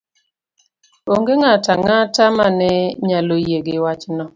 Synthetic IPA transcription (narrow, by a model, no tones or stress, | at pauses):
oŋɡeŋataŋatamanɛɲalojeɡewat͡ʃnɔ